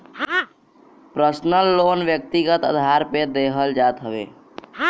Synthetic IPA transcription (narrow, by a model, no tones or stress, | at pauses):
pɾəsnəlːoːnʋjək̚t̪iɡət̪əd̪ʱaːɾped̪eɦəld͡ʒaːt̪ɦəʋḛː